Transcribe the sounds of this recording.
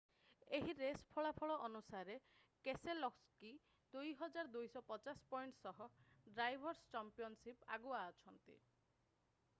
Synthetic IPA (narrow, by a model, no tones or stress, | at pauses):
eɦiɾespʰɔɭapʰɔɭɔʔɔnusaɾe | keselɔkski | d̪̥ujɦɔd͡ʒaɾd̪ujsɔpɔt͡ʃaspɔjɳʈsɔɦɔɖɾajbʱɔɾst͡ʃampijɔnsipa̰ɡuaːt͡ʃʰɔnt̪ḭ